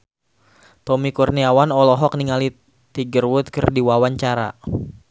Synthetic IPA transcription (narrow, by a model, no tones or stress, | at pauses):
t̪ɔmikurniawanɔlɔɦɔkniŋali | t̪iɡərwʊt̪̚kɨrdiwawaɲt͡ʃaɾa̰